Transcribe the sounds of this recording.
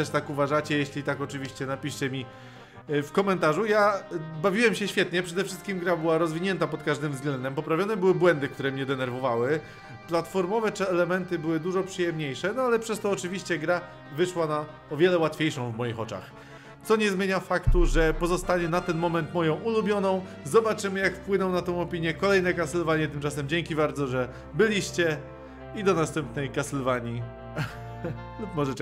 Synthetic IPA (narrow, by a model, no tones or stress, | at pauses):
t̪ɛʂt̪akuvaʐat͡ɕɛjeɕlʲit̪akɔt͡ʂɘvʲiɕt͡ɕɛnapʲiʂt͡ɕɛmʲi | fkɔmɛnt̪aʐujabavʲiwɛmɕɛɕfʲjɛt̪ɲɛpʂɛd̪ɛfʂɘst̪kʲimɡɾabɘwaɾɔzvʲiɲɛnt̪apɔt̪kaʐd̪ɘmvzɡlɛnd̪ɛmpɔpɾavʲjɔnɛbɘwɘbwɛnd̪ɘkt̪uɾɛmɲɛd̪ɛnɛɾvɔvawɘ | plat̪fɔɾmɔvɛt͡ʂɛɛlɛmɛnt̪ɘbɘwɘd̪uʐɔpʂɨjɛmɲejʂɛnɔalɛpʂɛst̪ɔːt͡ʂɘvʲiɕt͡ɕɛɡɾa | vɘʂwana | ɔvʲjɛlɛwat̪fʲjejʂɔ̃w̃vmɔjixɔt͡ʂa̰x | t̪sɔɲɛzmʲjeɲafakt̪uʐɛpɔzɔst̪aɲɛnat̪ɛnmɔmɛnt̪mɔjɔ̃w̃ulubʲjɔnɔ̃w̃ | zɔbat͡ʂɘmɘjakfpwɘnɔ̃w̃nat̪ɔ̃w̃ɔpʲiɲjɛkɔlɛjnɛkasɛlvaɲɛt̪ɘmt͡ʂasɛmd͡ʑeŋkʲibaɾd̪zɔʐɛ | bɘlʲiɕt͡ɕɛ | id̪ɔnast̪ɛmp̚nɛjkasɛlvaɲi | lupmɔʐɛ